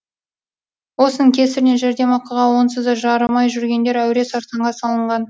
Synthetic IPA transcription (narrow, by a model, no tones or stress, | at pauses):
wo̞sənəŋkʲʰe̞sɪɾɪneʒæɾd̪e̞mɑqɑʁɑwo̞nsəzd̪əʒɑɾəmɑjʒʏɾɡʲe̞nd̪e̞ɾæwɾe̞sɑɾsɑɴʁɑsɑlˠəɴʁɑn